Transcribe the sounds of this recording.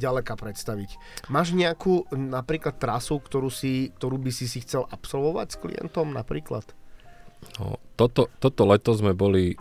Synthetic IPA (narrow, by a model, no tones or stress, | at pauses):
ɟalɛkaːpɾɛt̪st̪aʋic | maːʒɲɪakuːnapɾiːklat̪ːɾasukt̪ɔɾuːsik̚t̪ɔɾuːbisisixt͡sɛlʔapsɔlʋɔʋa̰csklḭjɛ̰nt̪ɔmnapɾiːkla̰t̪ | nɔ̰t̪ɔt̪ɔt̪ɔt̪ɔlɛt̪ɔzmɛbɔli